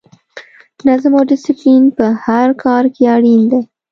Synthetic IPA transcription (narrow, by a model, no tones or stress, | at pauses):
nazmoɖɪsɪplinpəhaɾkɑɾkeɑɽind̪e